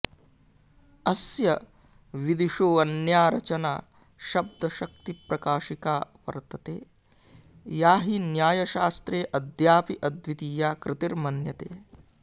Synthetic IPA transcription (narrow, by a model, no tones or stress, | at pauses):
ɐsjɐ | ʋid̪iʃoːʋɐnjaːɾɐt͡ʃɐna̰ː | ʃɐb̚d̪ʱɐʃɐk̚t̪ipɾɐkaːʃikaːʋɐ̰ɾt̪ɐt̪eː | jaːɦinjaːjɐʃaːst̪ɾeːʔɐd̪ʱjaːpiʔɐd̪ʋit̪ijaːkɾɪt̪iɾmɐnjɐt̪eː